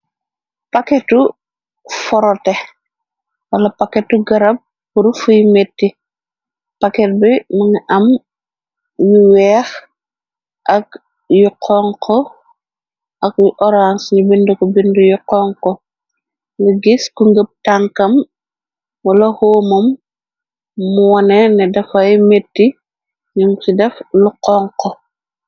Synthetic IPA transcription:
pakɛtu | fɔɾɔtɛ | wɐlɐpɐkɛtːuɡɐɾɐb̚ːuɾfujmetːi | pakɛt̚bimɐŋʔɐm | juwɛːx | ʔɐk̚ | juqʰɔŋkʰɔ | ʔɐkjuʔɔɾansɲubindukɔbindəjuqɔŋkɔ | liɡiskuŋɡəp̚taŋkɐm | wɐlɐhoːmɐm | uwɐnɛnɛdɐfɐjmetːi | ɲuŋsidɛfluqɔŋkɔ

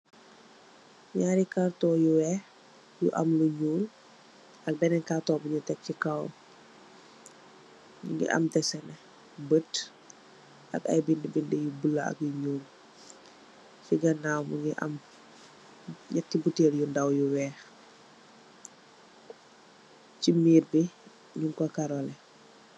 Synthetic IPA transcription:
ɲaːɾikartɔːjuwɛːx | jṵʔɐ̰mluɲuːl | ɐk̚bɛnɛnkartɔːbuɲutɛk̚ːikɐw | uŋɡḭʔɐ̰mtɛsɛnɛ | bət | ʔɐkɐ̰jbindibindijubulːɐɐ̰k̚juɲuːl | fiɡɐnaːwmuŋɡiʔɐ̰m | ɲɛk̚ːibuteːɾjundɐwjuwɛːx | cimiːrbi | ɲuŋkɔkaɾɔlɛ

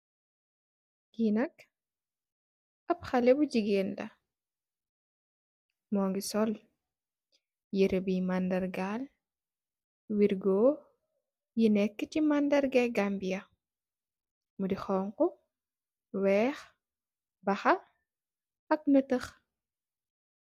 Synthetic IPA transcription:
ɡiːnɐk | ɐpxɐlɛbuɟiɡeːnlɐ̰ | mɔːŋɡisɔl | jiɾəbimandɐrɡaːl | wiɾɡɔː | jinɛkːəcimandɐrɡɛɡambijɐ | mudixɔːŋkɔ | wɛːx | bɐxɐ | ɐk̚nətəx

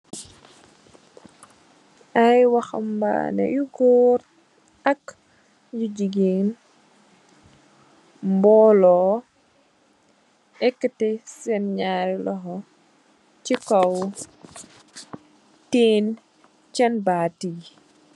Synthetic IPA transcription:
ʔajwɐxɐ̰mba̰nɛ̰juɡɔɾ | ɐk | juɟiɡen | mbɔːlɔː | ɛkːətɛsɛnɲaːɾilɔɦɔ | t͡ʃikaw | teːn | t͡ʃɐnbaːti

